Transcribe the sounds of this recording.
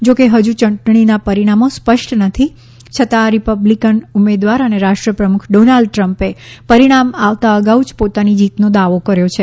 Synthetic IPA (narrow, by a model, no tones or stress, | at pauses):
d͡ʒokeɦəd͡ʒũt͡ʃəɳʈɳ̃inapəɾiɽ̃amospəʃʈnət̪ʰi | t͡ʃʰət̪aːɾipəblikənumed̪ʋaɾəneɾaʃʈɾəpɾəmukʰɖonaɭɖʈɾəmpepəɾiɽ̃amaʋt̪aəɡaud͡ʒpot̪anid͡ʒit̪nod̪aʋokəɾjot͡ʃʰe